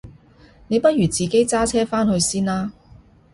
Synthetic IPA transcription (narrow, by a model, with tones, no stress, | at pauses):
ne˨˧jpɐ˥t̚jyː˨˩t͡siː˨ke˥jt͡saː˥t͡sʰɛː˥faː˥nhɵ˧ɥsiː˥nlaː˥